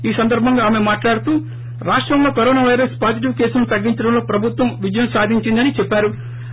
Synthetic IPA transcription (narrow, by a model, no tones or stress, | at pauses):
iːsɐnd̪ɐɾbʱɐŋɡaːme̞maːʈlaːɽut̪uː | ɾaːʂʈɾɐmlo̞ːkɐɾoːnaːʋɐjɾɐspaːsiʈ̬iʋkeːsunut̪ɐɡːiɲt͡ʃɐɽɐmlo̞ːpɾɐbʱut̪ʋɐmʋid͡ʒɐjɐmsaːd̪ʱiɲt͡ʃind̪ɐnit͡ʃɛpːaːɾu